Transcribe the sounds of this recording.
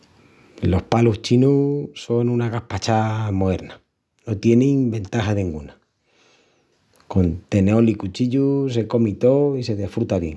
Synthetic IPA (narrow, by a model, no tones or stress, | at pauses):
lo̞hpaluht͡ʃinuso̞nunaɣahpat͡ʃamoe̞ɾna | no̞t̪je̞niŋbe̞nt̪aɦaðẽŋɡuna | ko̞nt̪e̞neo̞likut͡ʃiʎus̬e̞ko̞mit̪o̞ise̞ðe̞fɾut̪aβje̞̰ŋ